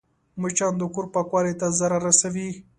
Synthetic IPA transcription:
mʊt͡ʃɑnd̪əkʊɾpakwɑɾet̪azaɾaɾasawi

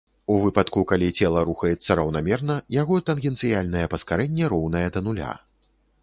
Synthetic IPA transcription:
uvɨpɐt̪kukalʲit͡sʲɛlˠɐɾuxɐjɛt̪sːɐɾɐwnamʲɛrnɐjaɣɔt̪ɐnɣʲɛnt̪sɨjalʲnɐjɛpɐskaɾɛnʲːɛɾɔwnɐjɛd̪ɐnulʲa̰

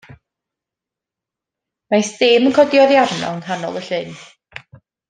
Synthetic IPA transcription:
masd̥eːmənkʰɔdjɔðjavnɔ̰ənhanɔ̰lˠəɬɨn

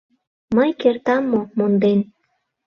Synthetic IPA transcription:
məjkert̪ɑmːomond̪en

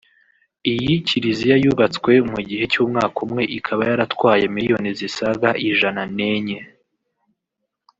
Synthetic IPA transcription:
ijiciɾizijajuβat͡skwe̞muɟiɦe̞cuːmŋaːkumŋe̞ʔikʰaβajaɾatkwaːjemijo̞nizisaɡaʔiʒanane̞ɲe̞

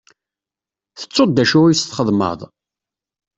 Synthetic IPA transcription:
θə̥t͡sːodd̪ːæʃuwijst̪χəðˤmə̰ðˤ

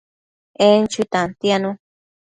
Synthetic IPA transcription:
ent͡ʃuit̪ãnt̪janũ

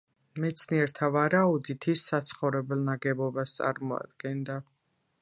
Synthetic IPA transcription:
mɛt̪sʰniɛɾt̪ʰavaɾaud̪it̪ʰisːat̪sʰχɔvɾɛbɛlˠnaɡɛbɔbast̪sʼa̰ɾmɔa̰d̪̥ɡɛnd̪a

